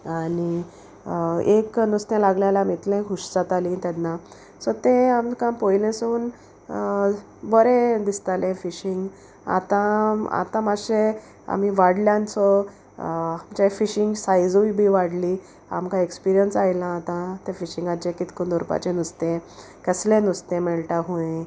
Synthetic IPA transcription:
ani | eknust̪ɛ̃laɡljalamit̪lẽkʰuʂd͡zat̪alĩt̪ad̪na | sɔt̪ẽamkãpojlẽsuːn | bəɾẽd̪ist̪alẽfiɕiŋɡ | a̰t̪ãa̰t̪ãmaɕe | a̰m̤iʋaɽljãnt͡sɔ | amt͡ɕafiɕiŋɡsajd͡zuʋibʱiʋaɽli | a̰mkãekspiɾijənsajlãːt̪ãt̪ẽfiɕĩŋɡat͡ɕẽkit̪kond̪ɔɾpa̰t͡ɕẽnust̪ẽ | kəslẽnust̪ẽmɛɭʈaɦuẽ

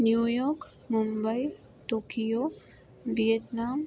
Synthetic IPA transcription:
njujɔk | mumbaj | ʈoːkijo | ʋijetnam

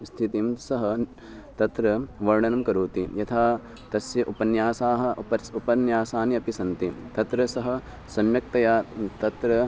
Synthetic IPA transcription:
st̪ʰit̪imsɐɦɐ | t̪ɐt̪ɾɐʋɐɾɳɐnɐmkɐɾuːt̪ijɐt̪ʰaː | t̪ɐsjɐʔupɐnjaːsaːɦɐ̆pɐupɐnjaːsaːniɐpisɐnt̪it̪ɐt̪ɾɐsɐɦɐ̆ | sɐmjɐk̚t̪ɐjaːt̪ɐt̪ɾɐ

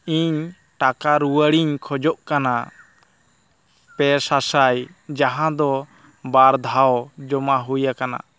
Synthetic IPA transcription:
iɲ | ʈakaɾuwəɽiɲkʰɔd͡ʒɔʔkana | pɛsasajd͡ʒaɦãd̪ɔ | baɾd̪ʱawd͡ʒɔmaɦujakana̰

